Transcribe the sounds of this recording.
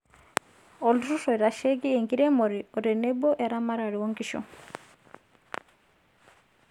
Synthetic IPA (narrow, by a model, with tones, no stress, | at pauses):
ɔ˨ldɾu˦sɔ˨iɾa˨ʃɛ˦ɡi˦ɛ˨ŋɡi˦ɾɛ˦mɔ˨ɾiɔ˨ɾɛ˨nɛ˦bɔ˦ʔa˨ɾa˦ma˦ɾa˨ɾi˨wɔ˦ŋɡiʃɔ̰˨